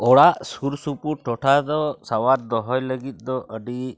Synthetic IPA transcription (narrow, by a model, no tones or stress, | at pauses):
ɔɽaʔsuɾsupuʈɔʈʰad̪ɔsawaɾ̚d̪ɔɦɔjləɡit̪̚ˀd̪ɔʔəɖi